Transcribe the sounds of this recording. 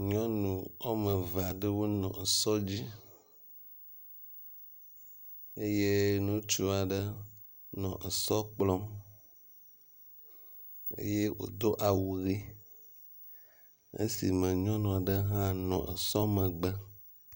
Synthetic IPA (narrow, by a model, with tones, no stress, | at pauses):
ɲɔ̃˦nũ˨ɔ˦mə˨va˨ɖə˦wo˦nɔ̰̃˨e˨sɔ˦d͡ʑi˦ | e˦je˦nũ˦t͡ʃu˦a˨ɖə˦ | nɔ̃˨ʔe˨sɔ˦k͡plɔ˦m | ḛ˦je˦wo̰˨d̪o˦ʔa˨wu˨ɣi˦ | ḛ˦si˨mə̃˨ɲɔ̃˦nũ˨a˨ɖə˦ɦã˦nɔ̰̃˨ʔḛ˨sɔ˦mə̃˨ɡ͡bə˦